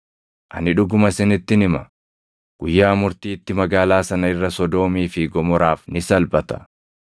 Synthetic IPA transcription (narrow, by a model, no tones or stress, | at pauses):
ʔɐnɪᶑʊɡʊmɐsɛnɪt̪ːɪnɪmɐ | ɡ̥ʊjːaːmʊɾt̪iːt̪ːɪmɐɡaːlaːsɐnɐɪrːɐsɔd̪o̞ːmiːfɪɡɔmɔɾaːfnɪsɐlbɐt̪ɐ̥̰